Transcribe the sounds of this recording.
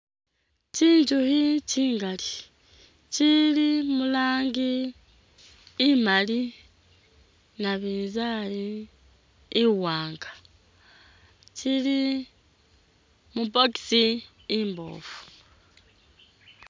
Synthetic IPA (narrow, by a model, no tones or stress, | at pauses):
t͡ʃiːɲd͡ʒuhit͡ʃiːŋɡali | t͡ʃilimulaːŋɡi | mali | naβiːnzali | waːŋɡa | t͡ʃili | mupoki̥si | imbo̞̰ːfu̥